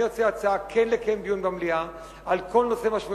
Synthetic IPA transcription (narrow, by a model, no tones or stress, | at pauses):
jot͡seat͡saakʰenlekaembijunbamlia | alkʰo̞lnosemaʃmu